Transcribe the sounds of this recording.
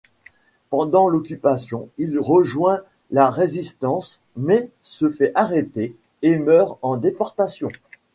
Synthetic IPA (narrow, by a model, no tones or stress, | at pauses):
pɑ̃d̪ɑ̃lɔkʲypasjɔ̃ilʁəʒwɛ̃ | laʁezist̪ɑ̃s | mɛ | səfɛʔaʁet̪eː | mœʁɑ̃d̪epɔʁt̪asjɔ̃